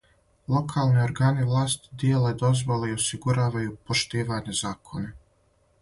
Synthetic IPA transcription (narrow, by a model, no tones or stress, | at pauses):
lˠo̞kʰaːlˠnio̞ɾɡaːniʋlˠaːst̪d̪jeːled̪o̞zʋoleiosiɡuɾaːʋajupo̞ʃt̪iːʋaːɲezaːkʰo̞na